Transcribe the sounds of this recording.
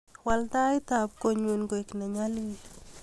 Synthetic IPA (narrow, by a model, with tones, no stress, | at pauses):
wa˧ld̪a˦jt̪ap̚ko˨ɲu˨nɡo˨ikna˨ɲa˦li˦